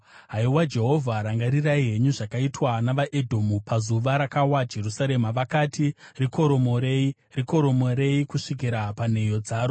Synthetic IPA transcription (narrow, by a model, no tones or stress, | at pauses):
ɦaiwad͡ʒe̞ɦo̞vʱaɾaŋɡaɾiraiɦe̞ɲuʐakaitwanaʋaʔe̞dʱo̞mupazuʋaɾakawad͡ʒe̞rusaɾe̞maʋakatiriko̞ɾo̞mo̞ɾei | riko̞ɾo̞moɾe̞ikuʂik̬iɾapane̞jo̞d͡zaːɾo